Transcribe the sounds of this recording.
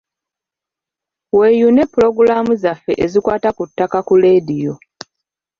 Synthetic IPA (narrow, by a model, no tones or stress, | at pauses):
we̞june̞pːulo̞ɡuɾaːmuzafːe̞̰ʔezikwaːtakutːakakule̞dijo̞